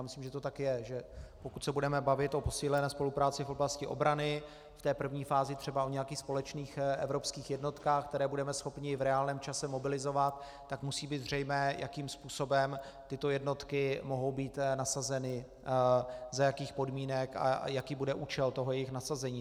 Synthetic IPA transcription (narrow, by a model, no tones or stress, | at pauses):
jamɪsliːmʒɛt̪ot̪akjɛʒɛpokut̪sɛbudɛmɛbavɪt̪ʔo̞po̞siːlɛnɛːspo̞lupɾaːt͡sɪfʔo̞blascɪʔo̞̰bɾanɪ | ft̪ɛːpr̩vɲiːfaːzɪt̪r̥ɛbaʔoɲɛjakiːxspo̞lɛt͡ʃniːxʔɛ̰vɾo̞pskiːxjɛdno̞t̪kaːxk̚t̪ɛɾɛːbudɛmɛsxo̞pɲɪvɾɛaːlnɛːmt͡ʃasɛmo̞bɪlɪzo̞vat̪ː | akmusiːbiːt̪zr̝ɛjmɛːjʔakiːmspuːso̞bɛm | t̪ɪt̪ojɛdno̞t̪kɪmoɦo̞wbiːt̪nasazɛnɪ | zajakiːxpo̞dmiːnɛka̰jakiːbudɛʔuːt͡ʃɛlt̪oɦojɛjɪxnasazɛɲiː